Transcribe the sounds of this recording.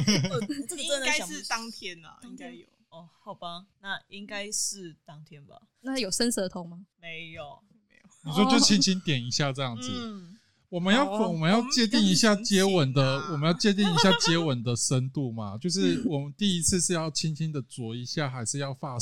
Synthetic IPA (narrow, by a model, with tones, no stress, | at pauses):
ɪ˨˥˨t̪ɑ˦ŋt̪ʰjɛ˦˥nɐ̰˨i˥ŋa˦ɪjo˨ | ɔ˧˩hɑ˨˩ʊba˦na˥˨i˦ŋka˥ɪʂɻ̩˥˩t̪ɑ˥ŋt̪ʰjɛ˥nba̰˨ | na˥jo˨˩ʊʂə˥˦nsə˨˥˩ə˧t̪ʰo˧˥ŋma˨me˧˦ɪo˨˩˧ | ni˨˩ʂswɔ˥t͡ɕjo˥˩ʊt͡ɕʰi˦nt͡ɕʰi˥nt̪jɛ˨˩ni˦˥ɕja˥˧ʈ͡ʂɤ˥˧jɑ˥˩ŋd͡z̩˨˩ | wɔ˨˩mə˨˦njɑ˥˩ʊwɔ˨˩mə˦njɑ˥˧ʊt͡ɕjɛ˥˧t̪̬i˥˩ŋi˧ɕja˥˩t͡ɕjɛ˦˥wə˨˩nd̪ə˨wɔ˨˩mə˦njɑ˥˧ʊt͡ɕjɛ˥˧t̪̬i˥˩ŋi˧˥ɕja˥˩t͡ɕjɛ˥˦wə˨˩nd̪ə˨ʂə˦nt̪u˥˩ma˨t͡ɕjo˥˧ʊʂɻ̩˥˩wɔ˨˩mə˦nt̪i˥˩i˦˥t͡s̩ʰ˥˧ʂɻ̩˥˧jɑ˥˩ʊt͡ɕʰi˥nt͡ɕʰi˦nd̪ə˨t͡swɔ˨˥i˦ɕja˥˩xa˧˥ɪʂɻ̩˥˧jɑ˥˧ʊfa˥˧